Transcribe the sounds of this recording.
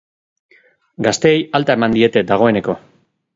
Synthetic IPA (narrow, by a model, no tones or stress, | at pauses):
ɡast̪e̞ːjalt̪ae̞mand̪ie̞t̪e̞d̪aɣ̞o̞e̞ne̞ko̞